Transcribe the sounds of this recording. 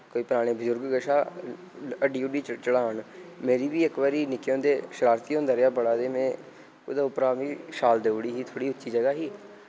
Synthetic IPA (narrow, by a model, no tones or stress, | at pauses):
koːiːpəɾaːɽ̃eːbəzʊɾɡɡəʃaː | əɖiːʊɖiːt͡ʃt͡ʃəɽaːɳmeːɾiːʋiːəkʋaːɾiːnɪkːjõːnd̪eːʃəɾaːɾt̪iːõːnd̪aːɾjaːbəɽaːd̪eːmɛ̃ː | ʊd̪aːʊpɾaːʋĩːʃaːld̪eʊɽiːɦiːt̪ʰoːɽiːʊtːʃiːd͡ʒəɡaːɦiː